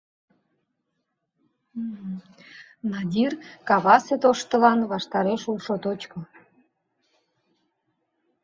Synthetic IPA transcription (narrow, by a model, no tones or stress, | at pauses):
nɑd̪ʲirkɑβɑset̪oʃt̪ə̆lɑnβɑʃt̪ɑɾeʃulʃot̪ot͡ɕko